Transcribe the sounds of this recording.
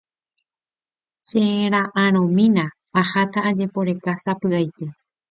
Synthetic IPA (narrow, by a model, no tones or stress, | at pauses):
sẽɾ̃ãʔãɾ̃õmĩnã | ahat̪aːd͡ʒe̞po̞ɾe̞kasapɨajt̪e